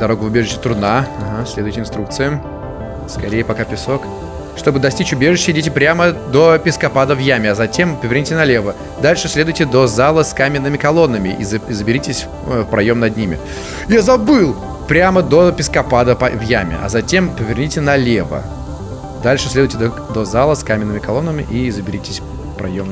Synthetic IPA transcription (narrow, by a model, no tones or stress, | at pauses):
d̪ɐɾo̞ɡʊvʊbʲeʐɨɕːɪt̪ɾʊnaaɦasʲlʲed̪ʊjtʲɪnst̪ɾukt̪sɨjʊ | skɐɾʲejəpɐkapʲɪso̞k | ʂt̪o̞bɨd̪ɐsʲtʲit͡ɕʊbʲe̞ʐɨɕːɪdʲetʲɪpɾʲaməd̪o̞pʲɪskɐpad̪əvjamʲɪɐzɐtʲe̞mpəvʲɪrnʲitʲɪnɐlʲe̞və | d̪alʲʂɨsʲlʲe̞d̪ʊjʲtʲɪd̪o̞zalˠəskamʲɪnːɨmʲɪkɐlˠo̞nːəmʲɪʔḭzzəbʲɪɾʲitʲɪsʲ | fpɾɐjo̞mnɐd̪nʲimʲɪ̰ | jazɐbɨlˠ | pɾʲaməd̪o̞pʲɪskɐpad̪əpɐvjamʲɪ̰ʔɐ̰zɐtʲe̞mpəvʲɪrnʲitʲɪnɐlʲevə̰ | d̪alʲʂɨsʲlʲed̪ʊjʲtʲɪd̪ | d̪ozalˠəskamʲɪnːəmʲɪkɐlˠo̞nːəmʲɪʔizəbʲɪɾʲitʲɪsʲ | pɾɐ̰jom